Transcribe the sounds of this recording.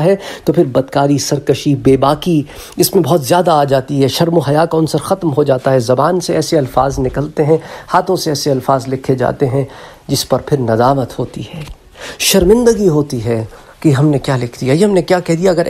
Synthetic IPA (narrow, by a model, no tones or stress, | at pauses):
ɦɛt̪oːpʰɪɾbɐd̪kaːɾisɐɾkɐʃibeːbaːki | ɪsmẽbɔɦːt̪zjaːd̪aaːd͡ʒaːt̪iɦɛʃɐɾmoɦɐjakaʊ̃nsɐɾxɐt̪mɦod͡ʒaːt̪aɦɛzɐbaːnseɛːseɐlfaːznɪkəlt̪eɦɛ̃haːt̪ʰõseɛːseɐlfaːzlɪkʰːed͡ʒa̰ːt̪eɦɛ̃ | d͡ʒɪspɐɾpʰɪɾnɐd̪aːʋət̪hoːt̪ihɛː | ʃɐɾmɪ̃nd̪əɡiɦoːt̪iɦɛ | kiɦɐmnekjaːlɪkʰd̪ijajeɦɐmnekjaːkɛɦd̪ijaɐɡəɾ